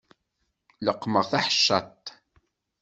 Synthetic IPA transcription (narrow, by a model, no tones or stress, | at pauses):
ləqːməʁθaħə̥ʃːɑ̰t̪ˤ